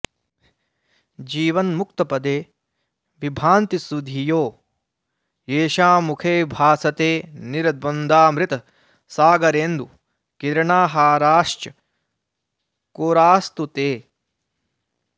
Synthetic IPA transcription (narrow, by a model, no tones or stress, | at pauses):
d͡ʒiːʋɐnmukt̪ɐpɐd̪eː | ʋibʱaːnt̪isud̪ʱijoː | eːʃaːmukʰeːbʱaːsɐt̪eːniɾɐd̪̚ʋɐnd̪aːmɾit̪ɐ | saːɡɐɾeːnd̪u | kiɾɐɳaːɦaːɾaːʂt͡ʃɐ | koːɾaːst̪ut̪eː